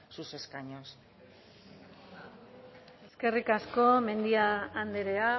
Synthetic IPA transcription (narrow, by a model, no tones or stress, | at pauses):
suse̞skaɲos | e̞ske̞rikasko̞me̞nd̪iaːnd̪eɾe̞a